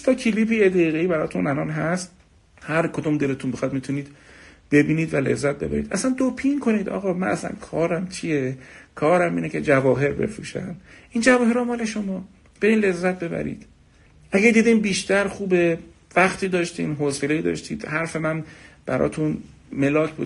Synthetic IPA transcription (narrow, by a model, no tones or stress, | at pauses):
st̪ʰɒːcʰiliːbiːjed̪æiːɣeiːbæɾɒ̰ːt̪ʰunʔælɒːnɦæst̪ | hæɾkʰod̪umd̪e̞let̪ʰunbexɒd̪mit̪ʰuniːd̪̥b̥e̞biːniːd̪vælḛzːæt̪̚be̞bæ̰ɾiːd̪ʔæsænd̪opʰiŋkʰo̞niːd̪ɒ̰ːɣɒːmænæ̰slæ̰nkʰɒːɾæmt͡ʃʰijekʰɒːɾæmiːnece̞d͡ʒævɒːɦe̞ɾbe̞̰fɾṵːʃæ̰nd̪ʔiːnd͡ʒævɒːhe̞ɾɔmɒːleʃomɒː | b̥eɾiːnle̞zːæt̪̚be̞bæ̰ɾḭːd̪̥ | ʔæɟæd̪iːd̪iːmbiːʃt̪æɾxuːbe | væχt̪ʰiːd̪ɒːʃt̪iːnɦose̞le̞iːd̪ɒ̰ːʃt̪iːd̪̥hæɾfe̞mænb̥æɾɒ̰ːt̪ʰunme̞lɒːcʰbṵ